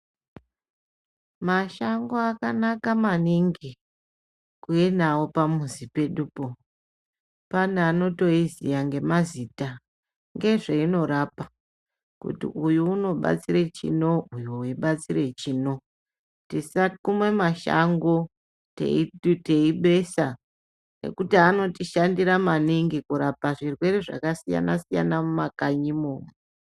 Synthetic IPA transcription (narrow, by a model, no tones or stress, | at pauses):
maʃaŋɡo̞akanakamaniŋɡi | kujenawopamuzipe̞ɗupo | panano̞to̞izijaŋɡe̞mazita | ŋɡe̞ʐeino̞ɾapa | kṵtḭʔujuːno̞ɓa̰t͡siɾet͡ʃḭno̞ujuuiɓat͡sire̞t͡ʃiːno̞ | tisakumwe̞maʃa̰ŋɡo̞ | tḛiteiɓe̞sa | ne̞̰kutiano̞tiʃandiɾamaniŋɡikuɾapaʐirwe̞ɾeʐa̰kasija̰nasija̰namumakaɲimoːmee